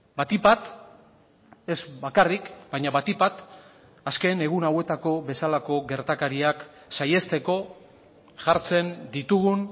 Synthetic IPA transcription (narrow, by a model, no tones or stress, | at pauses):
bat̪ipat̪ | e̞zbakarikbajɲaβat̪ipat̪ | aske̞ne̞ɣunawe̞t̪ako̞βe̞salako̞ɣe̞ɾt̪akaɾiak | saje̞st̪e̞ko̞ | ʝaɾt͡se̞nd̪it̪uɣun